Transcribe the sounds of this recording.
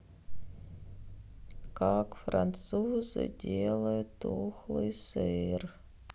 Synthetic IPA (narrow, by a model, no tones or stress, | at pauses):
kakfɾʔa̰nt̪suzɨ̰dʲelˠəjʊt̪ːoxlˠɨjsɨr